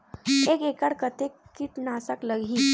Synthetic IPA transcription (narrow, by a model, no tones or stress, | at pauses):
ekekaɽkət̪eiʈnasakləɡʱi